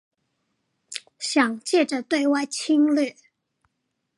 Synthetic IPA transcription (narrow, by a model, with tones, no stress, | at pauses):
ɕjɑ˨˩ŋt͡ɕjɛ˥˩ʈ͡ʂə˨t̪we˥˧ɪwa˥˩ɪt͡ɕʰi˥ŋly˥˩